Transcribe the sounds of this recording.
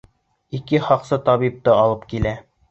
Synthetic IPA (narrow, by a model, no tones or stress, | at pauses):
ikɘχɑqsɤt̪ɑβip̚t̪ɤɑlˠɤp̚kilæ